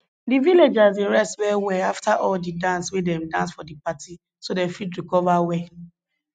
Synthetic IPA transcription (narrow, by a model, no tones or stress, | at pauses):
diviled͡ʒaziɹɛstwɛwɛaftaʔɔldidãnswidɛ̃mdãnsfɔdipati | sodefidɹikɔvawɛ